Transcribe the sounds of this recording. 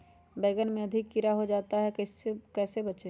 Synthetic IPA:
beːɡənmẽɐd̪ʱɪkːɪɾaɦod͡ʒaːt̪aɦɛkkɛːsebət͡ʃe

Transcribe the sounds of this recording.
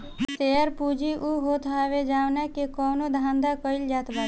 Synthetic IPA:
t̪eːəɾpuːd͡ʒiʔuɦot̪aːʋed͡ʒaːʋnakekɔːnod̪ʱãːnd̪akɔɪld͡ʒaːt̪baː

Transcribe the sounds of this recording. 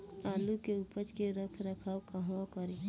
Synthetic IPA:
aːlukeupət͡ʃkeɾəkʰɾəkʰaːwkaɦwakəɾi

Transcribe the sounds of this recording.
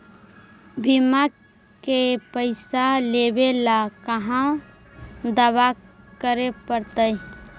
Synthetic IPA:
bʱima | kepəɪsalebelakəɦã | d̪əβakəɾepəɾt̪əj

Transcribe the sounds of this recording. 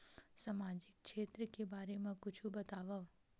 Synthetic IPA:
sɐmaːd͡ʒɪk̚ʃeːt̪ɾəkebaːɾemãkʊt͡ʃʰubɐt̪aːʋaʋ

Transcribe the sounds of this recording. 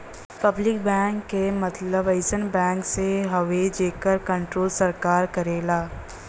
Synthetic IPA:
pɐblɪk̚bɛ̃ːŋkːemɐt̪ləbɐɪsənbɛ̃ːŋkseɦɐʋed͡ʒeːkəɾkɐ̃ɳʈɾoːlsɐɾkaːɾkɐɾeːlaː

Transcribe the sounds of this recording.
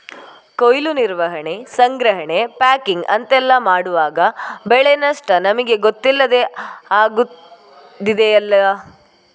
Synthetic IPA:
kojluniɾʋɐɦɐɳe̞sɐŋɡɾɐɦɐɳe̞paːkiŋɡɐ̰nt̪ɛlːɐmaːɽuʋaːɡɐbɛɭenɐʂʈɐnɐmɐɡe̞ɡot̪ːilːɐd̪e̞aːɡu | d̪id̪eɐlːɐ

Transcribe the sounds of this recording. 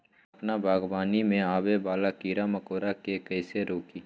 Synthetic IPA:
ɐpnabʱaːɡbaːnimẽaːbebaːlaːkiːɾaməkoːɾakekɛɪseɾoːkiː

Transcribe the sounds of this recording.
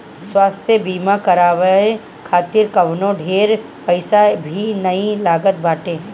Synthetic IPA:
swaːst̪ʰjəbiːmakɐɾaːʋəẽ | kʰaːt̪iɾkɐʋnõɖʱeːɾ | pɪsabʱinɐilaːɡət̪̚bʱaːʈẽː

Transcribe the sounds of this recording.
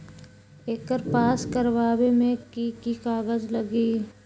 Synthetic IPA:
eːkəɾpaːskəɾʋaːbemẽkikikaːɡəd͡ʒləɡiː

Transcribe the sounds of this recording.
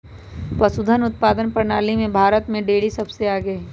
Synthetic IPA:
pɐsʊd̪ʱənʊt̪̚paːd̪ənpəɾnaːlimẽbʱaːɾət̪mẽɖeːɽisɐbseaːɡəː

